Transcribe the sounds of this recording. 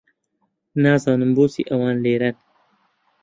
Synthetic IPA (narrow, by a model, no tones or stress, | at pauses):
naːzɑːnumbuːsḭʔɐwɑːnleːɾɐn